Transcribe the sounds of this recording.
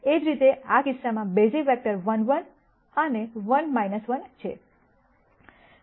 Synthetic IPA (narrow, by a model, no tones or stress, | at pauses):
ed͡ʒɾit̪eakɪsːamãbed͡ʒifɛk̚ʈəɾʋənʋən | əneʋənmajnəsʋənt͡ʃʰḛ